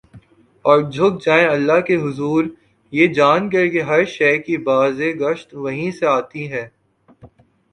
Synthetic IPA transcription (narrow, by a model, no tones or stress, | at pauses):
ɔːɾd͡ʒʱʊk̚d͡ʒaːẽɐlːaɦkeɦʊzuːɾ | jeːd͡ʒaːnkɐɾkeɦɐɾʃɛːkibaːzeɡɐʃt̪ʋɐɦĩseaːt̪iɦɛː